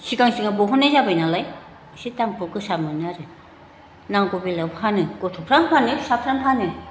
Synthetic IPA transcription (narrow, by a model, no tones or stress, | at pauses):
sikaŋsiŋabɔɦɔnajzabajnalaj | sitampɯkɯsamɯnɯaɾɯ | naŋkobilabɦanɯɡɔtʰɔpʰɾanpʰanɯsapʰɾanpʰanɯ